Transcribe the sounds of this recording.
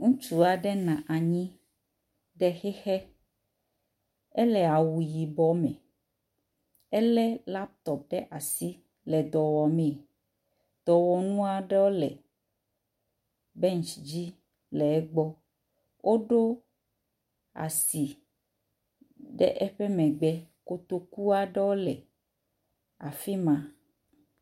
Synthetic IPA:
ŋũ˦t͡ʃu˨a˨ɖɛ˦nã˨ʔa˨ɲĩ˦ | ɖɛ˦xɛ˦xɛ˦ | ɛ˦lɛ˨a˨wu˨ji˨bɔ˦mɛ̰̃˨ | ɛ˦lɛ˦la˦p̚t̪ɔ˨p̚ɖɛ˦ʔa˨si˦ | lɛ˨d̪ɔ˨wɔ˨mɛ̃˨ | d̪̥ɔ˨wɔ˨nũ˦a˨ɖɛ˦wo˦lɛ˨ | bɛ˦nt͡ʃd͡ʑi˦ | lɛ˨ɛ˦ɡ͡bɔ˦ | wʔo˦ɖo˦ | a̰˨si˨ | ɖɛ̰˦ʔɛ˦ɸɛ˦mɛ̃˨ɡ͡bɛ˦ko˨t̪o˦ku˦a˦ɖɛ˦wo˦lɛ˨ | a˨fi˦mã˨

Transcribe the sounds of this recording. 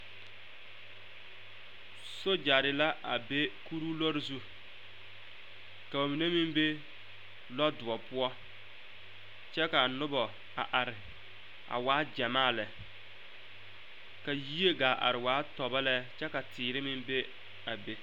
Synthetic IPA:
so˦d͡ʒa˨ɾɪ˨la˦ʔa˨be˦ku˦ɾu˦lɔ˦ɾɪ˦zu˦ | ka˨bo˨mi˨ne˦mɪ˦mbe˦ | lɔ˦dʊ˨ɔ˨pʊ˦ɔ˦ | t͡ʃɛ˦ka˨nʊ˦bɔ˨ | a̰˨ʔa˨ɾɪ˨ | a̰˨waː˨˦d͡ʒɛ˨maː˦˨lɛ˨ | ka˨ji˦e˦ɡa˨ʔa̰˨ɾɪ˨waː˨˦tɔ˨ba˦lɛ˦t͡ʃɛ˦ka˨tɪː˨ɾɪ˦mɪ˦mbe˦ | a˨be˦

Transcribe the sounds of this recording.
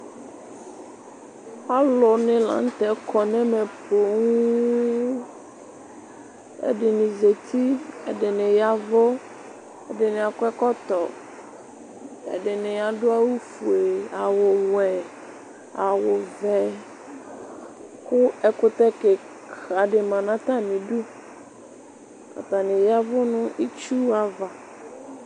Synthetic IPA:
pa˦lo˨nɛ̃˨lã̰˨˦ŋ̩˦t̪ɛ˨˦kɔ˨nɛ̃˦mẽ˨plo˨ŋũ˦ | ḛ˦ɖe˨nĩ˨ze˨t̪i˦ḛ˦ɖe˨nɛ̃˨ja˦vo˦ | e˦ɖe˨nɛ̃˨a˨kɛ˦kɔ˦t̪ɔ˨ | ɛ̰˨ɖɪ˨nɪ̃˨ja˨ɖʊ˦a˦wu˦fu˨e˨a˨wʊ˨wɛ˨ | a˨wʊ˨vɛ˨ | kʊ˦ɛ˨kʊ˦t̪ɛ˦ke˨ | a˨ɖɪ˨mã˨nã˦t̪a˦mĩ˨ɖu˦ | a̰˨t̪a˨nɪ̃˨ja˦vʊ˦nʊ̃˦ʔi˦t͡ʃu˦a˨va˨

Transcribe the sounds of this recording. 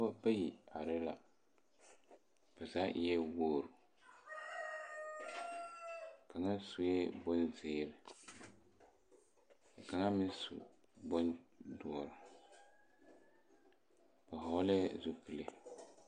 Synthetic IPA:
ba˦pa˦ji˨a˨ɾɪ˦la̰˨ | b̥a˨za˦jɛ˦woː˦˨ɾʊ˨ | ka˨ŋa˦su˨jɛ˦bo˦nzɪː˦ɾɪ˨ | ka˨ŋa˦mɪ˦sṵ˨ | bɔ˦ndu˨ɔ˨ɾʊ˨ | ba˨ɦɔ˦lɛ˦zu˦pu˨le˦

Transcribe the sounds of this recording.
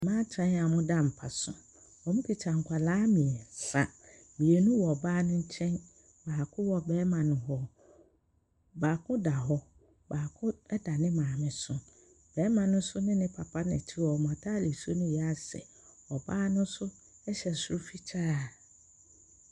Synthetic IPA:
mãː˦t͡ɕʰɛ̃˦na˨mʊ̃˦da˦m̩˨pʰa˨sʊ̰̃˨ | ɔ˨mũ˦pʰi˨t͡ɕʰa˨ŋ̩˨kʷʰa˨laː˦mĩ˨ɛ˨sa˨ | mĩ˨e˨nũ˦wɔ˨ɔ˨baː˦nʊ̃˦ɲ̩˦t͡ɕʰɛ̃˦n | baː˨kʰʊ̃˦wɔ˦bɛː˦mã˨nʊ̃˨ɦɔ˦ | baː˨kʰʊ̃˦da˨ɦɔ˦ | baː˨kʰʊ̃˦ɛ˦da˨nɪ̃˦mãː˨mɪ̃˨sʊ˦ | bɛː˨˦mã˨nʊ̃˦sʊ˦nɪ̃˦nɪ̃˦pʰa˨pʰa˦nɛ̰̃˨tʰɪ˦wɔ˨m˨ã˨tʰa˦˨le˨so˦nʊ̃˦jɛ˨˦a˦˨sɛ̰˨ | ɔ˨baː˦nʊ̃˦n˦sʊ˦ | ɛ˦ɕɛ˨sʊ˦ɾʊ˦fi˦t͡ɕʰaː˦˨

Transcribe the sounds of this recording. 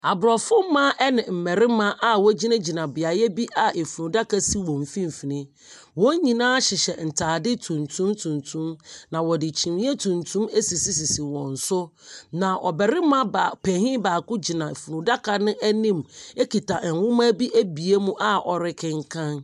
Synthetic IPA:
a˨bʊ˨ɾɔ˨fʊ˦m˦mã˦ʔɛ˦nɪ̃˨m̩˨mɛ˨ɾɪ˦mã˦ʔa˨wɔ˦d͡ʑi˦nã˦d͡ʑi˨nã˨bɪ˨a˨jɛ˦bi˦ʔa˨ʔe˨fu˨nũ˨da˦ka˦si˦wɔ̃˨m̩˨fĩ˦m̩˨fi˨nɪ̃˦ | wɔ̃˦ɲĩ˨nãː˦ɕɪ˨ɕɛ˨n̩˨tʰaː˨dɪ˦tʰũ˨ntʰũ˦mtʰũ˨ntʰũ˦mnã˨wɔ˨dɪ˨t͡ɕʰĩ˨mĩ˦e˦tʰũ˨ntʰũ˦me˦si˨si˨si˨si˨wɔ̃˨n̩˨sʊ˦nã˨ʔɔ̰˨bɛ˨ɾɪ˦mã˦ba˨pʰɛ˨hĩ˦baː˨kʊ˦d͡ʑi˨nã˨e˨fu˨nũ˨da˦kʰa˨nɪ̃˦ʔæ˦nĩ˦me˦ki˨tʰa˨ʔɛ˨ŋ˨wʊ̃˦m˦ã˦bi˦ʔæ˦bi˨e˦mũ˦ʔa˦ʔɔ˨ɾɪ˦kʰɪ̃˦ŋ̩˦kʰã˦n

